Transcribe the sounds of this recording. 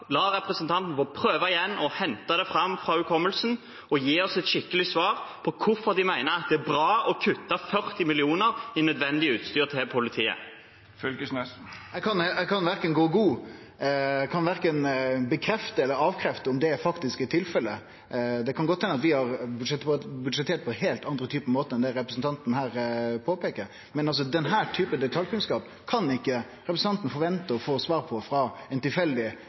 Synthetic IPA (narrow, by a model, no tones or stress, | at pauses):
lɑɾɛpɾəsənt̪ʰɑnt̪n̩fɔpʰɾøːʋəɪjɛnːɔhɛnt̪ɑd̪ɛfɾɑmfɾɑʉkʰɔmːəlsn̩ | ɔjiːɔsɛt̪ʃɪkːəlɪsʋɑːɾpʰɔkʰʊfɔɾd̪ɪmæɪnəɾɑt̪̚d̪ɛæbɾɑːɔkʰʉt̪ːɑfœɾt̪ɪmɪlɪuːnəɾɪnœd̪ʋɛnd̪ɪəʉːt̪st̪yːʁt̪ʰɪɛpʰʊlɪt̪ʰiːə̰ | fʏlkəsnɛs | ɛkʰɑnɛɡkʰɑnʋæɾkənɡoːɡuː | kʰɑnʋæɾkənbəkʰɾɛft̪əɛlːəɾɑːʋkʰɾɛft̪əʊmd̪ɛæfɑkt̪ɪskɪt̪ʰːɪlfɛlːə | d̪ɛkʰɑnɡɔt̪ʰːhɛnəɑt̪ʋɪhɑɾbʉʂɛt̪bʉd̪ʂɛt̪ʰeːɾt̪̚pʰɔheːlt̪ɑnd̪ɾət̪ʰyːpəmoːt̪əɛnd̪ɛɾɛpɾəsn̩t̪ɑnt̪n̩hæːɾpʰoːpeːkəɾ | mɛnɑls̬ɔd̪ɛnɦæːɾʈ̪ʰyːpəd̪ɛt̪ʰɑlkʉnskɑːp | kʰɑnɪkːə | ɾɛpɾəsn̩ɑnt̪ən̩fɔɾʋɛnt̪əɔfoːsʋɑːɾpʰɔfɾɑɛnt̪ɪlfɛld̪ɪ